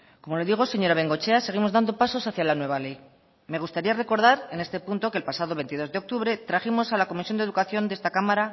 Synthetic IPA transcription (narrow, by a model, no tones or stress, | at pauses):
ko̞mo̞le̞ðiɣ̞o̞se̞ɲo̞ɾaβe̞ŋɡo̞t͡ʃe̞aseɣ̞imo̞zðand̪o̞paso̞saθjalanwe̞βale̞j | me̞ɣ̞ust̪aɾiare̞ko̞ɾð̞aɾe̞ne̞st̪e̞punt̪o̞kelpasað̞o̞βe̞nt̪iðo̞zðe̞o̞k̚t̪uβɾe̞t̪ɾaximo̞salako̞misjo̞nd̪e̞ðukaθjo̞nd̪ee̞st̪akamaɾa